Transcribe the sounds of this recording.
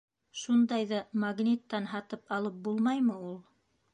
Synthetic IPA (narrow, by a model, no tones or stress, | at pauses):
ʃund̪ɑjðɑmaɡnʲit̪ːɑnɦɑt̪ɤpɑlˠɤp̚bulˠmɑjmɤulˠ